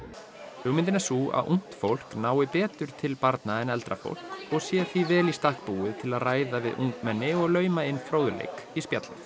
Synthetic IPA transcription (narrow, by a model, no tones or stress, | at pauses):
hʏɣmɪnt̪ɪnasua̰ðʔuŋ̥t̪fowl̥knaːwɪpɛːt̪ʏɾ̥t̪ʰɪlpaɾt̪naɛnɛlt̪ɾafo̰wl̥kɔɣsjɛθivɛːlist̪ahkpuːɪt̪ʰɪlaðraːjðavɪðṵŋkmɛnːɪɔɣlœːɥmaɪnːfɾoːwðʏlḛjkispjat̪lɪ̰θ